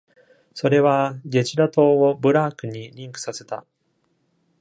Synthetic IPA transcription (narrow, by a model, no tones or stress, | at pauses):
so̞ɾe̞βaɡʲe̞t͡ɕiɾat̪o̞ːobɯ̟ɾaːkɯ̟ɲ̟iɾʲĩŋkɯ̟̥sase̞t̪a̰